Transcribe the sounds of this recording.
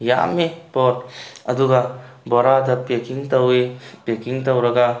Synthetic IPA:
ja̰mːipɔɾɐduɡɐ | bɔɾadɐpekiŋtɐwipekiŋtɐwɾɐɡɐ

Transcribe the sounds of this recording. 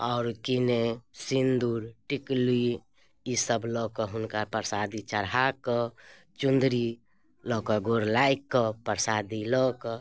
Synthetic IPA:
ɔʊɾkinesind̪uɾʈikli | isəblɔkɔɦunkapəɾsad̪it͡ʃəɾɦakɔ | t͡ʃund̪ɾi | lɔkɔɡoɾlajkːɔpəɾsad̪ilɔkɔ

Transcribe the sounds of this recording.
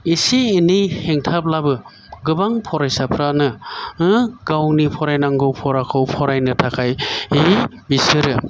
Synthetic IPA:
isiːnijheŋtʰap̚labɯ | ɡɯbaŋpʰɔɾajsapʰɾanɯɯɡawnipʰɔɾajnaŋɡɯwpʰɔɾakʰɯwpʰɔɾajnɯtʰakʰajhe | bisɯɾɯ

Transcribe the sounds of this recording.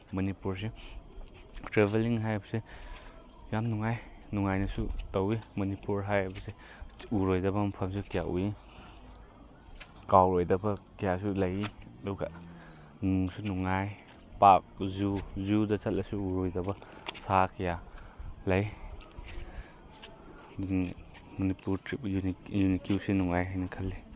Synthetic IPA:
mɐnipuɾs̬e | tɾebeliŋɦajbɐse | jamnuŋajnuŋajnɐsutowimɐnipuɾɦajabɐse | uɾojdɐbɐmapʰɐms̬ukijaʔṵi | kawɾojdɐbɐkijasulɐjiɐdɔɡa | nuŋsunuŋaj | pak̚zuzudɐt͡ʃat̚lʔɐsuuɾojdɐbɐsakʰɐjalɐj | mɐnipuɾtɾip̚junikuwsinuŋajɦajnɐkʰɐlːi

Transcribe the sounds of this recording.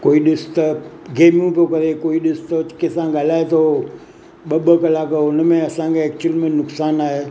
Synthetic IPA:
koːiːɗɪst̪əɡeːmũpjokɐɾekoːiɗɪst̪ət͡ʃkesãɡalaːet̪ʰo | ɓɐɓəkɐlakəʊnəmẽɐsãŋkeɛːk̚t͡ʃəlmẽnʊksaːnaːɦe

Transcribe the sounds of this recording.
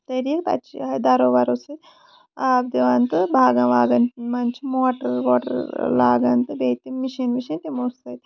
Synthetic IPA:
t̪ɐɾiːkɐ̰t͡ʃiɐd̪ɐɾoːʋaɾose | aːb̚d̪iʋant̪ɨbʱaːɡɐ̃ʋaːɡɐnmɐnt͡ʃʰmoːʈəɾʋoːʈɐ̰ɾlaːɡɐnt̪ɨbeːt̪imiʃɐnmiʃɐ̃nt̪imoːstɐt̪

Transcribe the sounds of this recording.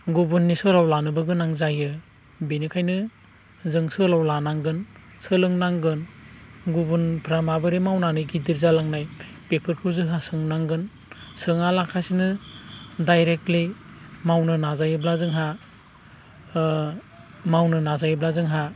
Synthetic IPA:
ɡubunːisɯɾawlanɯbɯɡɯnaŋzajɯ | benikʰajnɯ | zɯŋsɯlawlanaŋɡɯn | sɯlɯŋnaŋɡɯnɡubunpʰɾamabɯɾemawnanɯjɡidiɾzalaŋnaj | pepʰɯɾkʰuzɯɦasɯŋnaŋɡɯn | sɯŋalakʰasinɯ | dajɾek̚tlimawnɯnazajɯblazɯŋɦa | mawnɯnazajɯblazɯŋɦa

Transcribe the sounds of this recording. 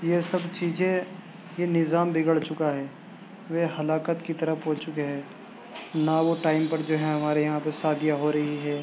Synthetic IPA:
jesɐbt͡ʃiːzẽ | jenɪzaːmbɪɡəɭt͡ʃʊkaɦɛː | ʋeɦɐlaːkət̪kit̪ɐɾəfɦoːt͡ʃʊkeɦɛː | naʋoʈaːɪmpɐɾd͡ʒoːɦɛ̃ɦɐmaːɾejɐɦãpɐɾsaːd̪ijaɦoːɾɐɦiɦɛː

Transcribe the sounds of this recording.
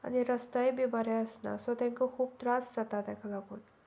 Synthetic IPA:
a̰niɾəst̪ajbibəɾɛəsna̰sɔt̪ãŋkakʰuːb̚t̪ɾasd͡zat̪at̪ɛ̃kʰalaɡuːn

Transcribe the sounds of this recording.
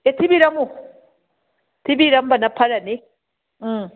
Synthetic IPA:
et̪ʰibiɾamu | t̪ʰibiɾambanapʰːaɾane

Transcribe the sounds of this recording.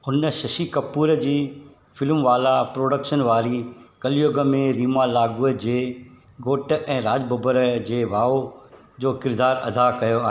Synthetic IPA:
ʊnə̆ʃɐʃikɐpuːɾəd͡ʑiː | fɪlmʋaːlapɾoːɖəkʃənʋaːɾikɐlijoːɡə̆mẽɾiːmalaːɡuəd͡ʑeː | ɡoːʈɛ̃ːɾaːd͡ʑbɐbəɾd͡ʑeːʋʱaːo | d͡ʑoːkɪɾd̪aːɾɐd̪ʱakɐjoaːɦeː

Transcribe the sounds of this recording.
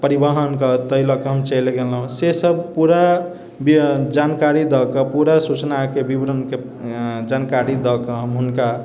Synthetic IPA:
pəɾibaɦənkət̪əɦiləkeɦəmt͡ʃəjleɡelɦũsesəb̚puɾa | bid͡ʒankaɾid̪ɔkəpuɾasut͡ʃnakebibɾənke | d͡ʒankaɾid̪ɔkəɦəmɦunka

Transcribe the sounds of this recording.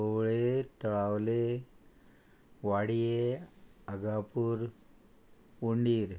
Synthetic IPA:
oʋɭet̪əɭawle | ʋaɽije | əɡapuːɾ | uɳɖiːɾ

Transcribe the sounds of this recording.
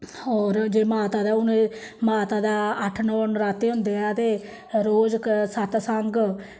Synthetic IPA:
ɔːɾd͡ʒeːmaːt̪aːd̪aːʊne | maːt̪aːd̪aːəʈʰnəənɾaːt̪eːɦʊ̃ːnd̪eːaːt̪eː | ɾoːd͡ʒksət̪səŋɡ

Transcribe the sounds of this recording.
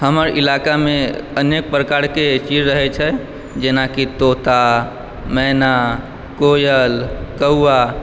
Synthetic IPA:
həməɾʔilakameənek̚pɾəkaɾket͡ʃid͡ʒɾəɦɛt͡ʃʰɛ | d͡ʒenakit̪ot̪a | mɛna | kojəlkəuːa

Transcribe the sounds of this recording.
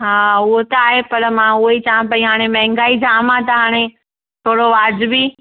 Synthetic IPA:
ɦaːʊɦot̪aːɦepɐɾmãʊɦoit͡ɕaːãpɐĩɦaːɽ̃emɛ̃ːŋɡaːid͡ʑaːmãt̪ɐɦaːɽ̃e | t̪ʰoːɽoʋaːd͡ʑʊbi

